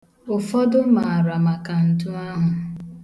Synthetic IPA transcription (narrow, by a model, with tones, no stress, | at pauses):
ʊ˨fɔ˦dʊ˦ma˨a˨ɾa˨ma˨ka˨n̩˨tu˦a˦ɦʊ˨